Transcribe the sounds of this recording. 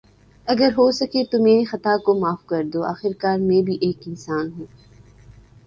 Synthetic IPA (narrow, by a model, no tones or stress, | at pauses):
ɐɡəɾɦosɐket̪omeːɾexɐt̪akomaːfkɐɾd̪oaːxɪɾkaːɾmẽbʱiʔeːkɪnsaːnɦõː